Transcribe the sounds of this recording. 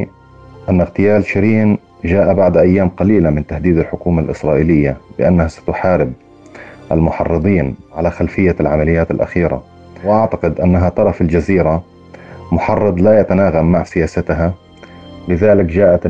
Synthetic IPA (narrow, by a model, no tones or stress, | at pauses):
ʔanːaɣt̪ɪjaːlʃɪɾiːn | ʒaːʔabaʕd̪ʔajːaːmqɑliːlamɪnt̪ahd̪iːd̪alħʊkuːmalʔɪ̰sɾˤɑːʔiːlɪjːalɪʔanːahasḁt̪ʊħaːɾɪb̚ | ʔalmʊħɑrˤːɨd̪ˤiːnʕalaxalfɪjːalʕamalɪjːaːt̪ɪlʔa̰xiːɾa̰ | wʔaʕt̪aqɪd̪ʔanːaɦat̪ˤɑɾˤɑfald͡ʒaziːɾa | mʊħɑrˤːɨd̪ˤlajat̪anaːɣamːaʕsɪjaːsat̪ɦa | lɪðaːlɪkd͡ʒaːʔat̪